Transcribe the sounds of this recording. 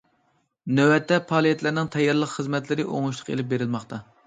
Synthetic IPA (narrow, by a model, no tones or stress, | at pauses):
nøwɛt̪ʰːɛpʰɑːlˠijɛt̪læɾnɪŋt̪ʰɛjːɑɾlˠəqχəzmɛt̪lɪɾɪʔo̰ŋuʃlˠə̥qḛlɪp̚beɾɪlmɑχt̪ʰɑ